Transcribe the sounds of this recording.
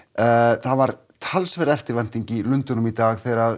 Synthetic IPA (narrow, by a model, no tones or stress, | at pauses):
θaðvaɾ | t̪ʰalsvɛɾðɛft̪ɪɾvan̥t̪iɲcilʏnt̪ʏnʏmit̪aːɣθɛɾað